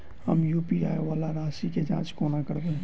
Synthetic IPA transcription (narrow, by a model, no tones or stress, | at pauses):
həmjuːpiaːjʋaːlaɾaːʃiked͡ʒã̰ːt͡ʃkoːnakəɾd̪ẽː